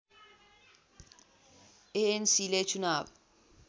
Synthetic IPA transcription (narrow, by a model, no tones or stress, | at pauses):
ensilet͡ʃʰunaːbɛ